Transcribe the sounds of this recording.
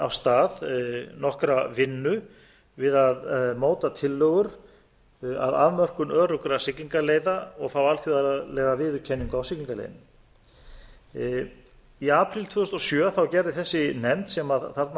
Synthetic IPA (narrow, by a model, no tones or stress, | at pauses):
a̰wst̪aːðnɔhkɾavɪnːʏ | vɪðaðmoːwt̪at̪ʰɪlːœɣʏɾ̥ | a̰ða̰ðmœr̥kʏnœːɾʏkɾasɪkliŋkaleːjðaɔɣfaːwalθjuðalɛːɣavɪːðʏcʰɛnːiŋkawsɪkliŋkalḛjðɪn | iaːpɾɪlt̪ʰvʏːðʏst̪ɔsjœːaθawcɛɾðɪθɛsːɪnɛmt̪sɛmaðθaɾt̪n